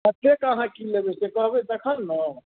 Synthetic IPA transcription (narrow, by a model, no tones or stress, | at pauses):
ət̪ekəɦãkilebɛsekəɦbed̪əkʰənːə